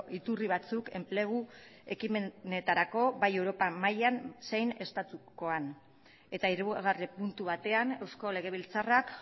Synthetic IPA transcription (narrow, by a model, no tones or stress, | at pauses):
ʔit̪uriβ̞at͡suke̞mple̞ɣ̞ue̞kimene̞t̪aɾako̞βaje̞wɾo̞pamajansejne̞st̪at̪uko̞an | e̞t̪aiɾuɣɣaripunt̪uβat̪e̞ane̞wsko̞le̞ɣ̞e̞βilt͡sarak